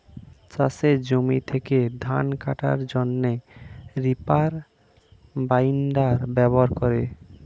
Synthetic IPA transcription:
t͡ɕa̰sed͡ʑomit̪ʰeked̪ʱanka̰ʈa̰ɾd͡ʑonːeɾipaɾ | bajinɖaɾbɛboɦaɾkoɾe

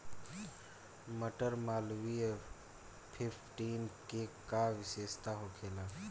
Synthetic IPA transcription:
məʈəɾmaːlwie | pʰɪpʰʈiːnkekaʋɪseːst̪aɦokʰeːla

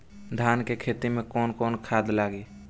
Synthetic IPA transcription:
d̪ʱaːnkekʰet̪imẽkɔːnkɔːnkʰaːd̪laːɡi

